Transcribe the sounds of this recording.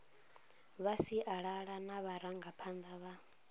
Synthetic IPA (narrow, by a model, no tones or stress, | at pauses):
βasiʔaɺaɺanaβaɾaŋɡapʰand̪aβa